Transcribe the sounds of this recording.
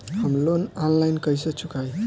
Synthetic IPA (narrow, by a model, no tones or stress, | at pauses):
həmlonanlajnkəjsət͡ʃʰukaj